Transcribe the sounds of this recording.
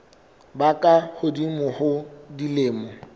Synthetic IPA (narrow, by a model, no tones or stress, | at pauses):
bakʼahʊdimʊhʊdilɪːmɔ